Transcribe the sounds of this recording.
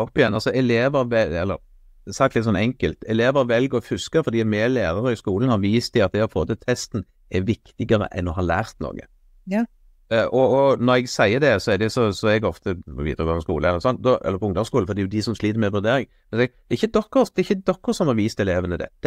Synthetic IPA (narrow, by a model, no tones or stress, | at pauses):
ɔpːɪjɛnːɑlsɔɛleːʋəɾʋɛɛlːə̰ɾ | sɑkt̪lɪt̪sɔnɛŋkəlt̪ɛleːʋəʋɛlɡəɾɔfʉskəɾfɔɾd̪iːɑt̪mɛleːɾəɾəɪskuːlənhɑɾʋiːst̪ɪɑt̪̚d̪ɛɔfʰoːt̪ət̪ʰɛst̪n̩ | ɛɾʋɪkt̪ɪɡəɾə̰ʔɛ̰nɔɦɑlæ̰ːɾt̪no̰ːɡə̰ | ʔɔɔnɔɾɛɡsæɪəd̪ɛsɔɛd̪ɛsɔsɔɛɡɔft̪əʋḭːt̪əɾəkʰʋɑfɔskṵːləɛlːəʁəsɔnt̪d̪ɔɛ̰lːɾpʰɔʊŋd̪ɑskuːl̩fɔd̪ɛjʊd̪ɪsɔmsliːt̪əɾmɛʋʉɾd̪eːɾɪŋ | mɛnsɛɡd̪̥ɛɾɪçːəd̪ɔkːəɾsd̪ɛɾɪçːəd̪ɔkːəsɔmhɑɾʋiːst̪ɛleːʋənəd̪ɛ̰d̪̥